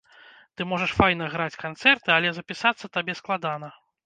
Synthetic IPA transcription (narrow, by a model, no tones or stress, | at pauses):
t̪ɨmɔʐɐʂfajnɐɣɾat͡sʲkant̪sɛrt̪ɨalʲɛzɐpʲisat̪sːɐt̪abʲɛsklˠad̪an̪ɐ